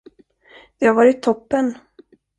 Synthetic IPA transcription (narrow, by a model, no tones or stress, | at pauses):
d̪̥ɛhaɾvɑːɾɪt̪ʰːɔpːən